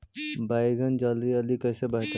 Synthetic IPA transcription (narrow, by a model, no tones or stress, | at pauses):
bajɡʱənd͡ʒald̪iəlikəːsebəɦt̪